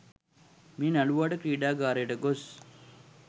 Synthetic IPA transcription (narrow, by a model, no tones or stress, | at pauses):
miːnɐluʋaːʈəkɾiːɖaːɡaːɾeːʈəɡos